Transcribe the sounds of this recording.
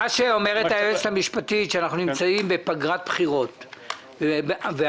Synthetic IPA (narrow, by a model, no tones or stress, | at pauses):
aʃeomeʁetaeesamiʃpatitʃeanaχnunimt͡saimbe̞paɡʁat̪̚bpχiʁo̞t̪ | ve